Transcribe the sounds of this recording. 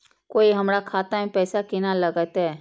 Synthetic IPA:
koːiɦɐmɾakʰaːt̪amẽpɛːsakɪnaləɡət̪ɦɛː

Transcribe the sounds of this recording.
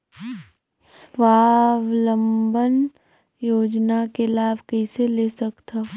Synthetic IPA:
sʋaːʋlə̃mbən | joːd͡ʒnakelaːbʱkɛɪselesəkt̪a

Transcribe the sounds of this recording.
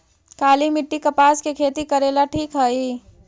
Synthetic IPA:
kaːlimɪʈːikɐpaːskekʰeːt̪ikɐɾeːlaʈʰiːkɦɐi

